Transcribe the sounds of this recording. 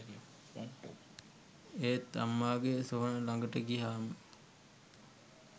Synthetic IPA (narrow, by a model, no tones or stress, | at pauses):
eːt̪ːa̰mːaːɡesuɦənəlaŋɡəʈəɡiɦaːmə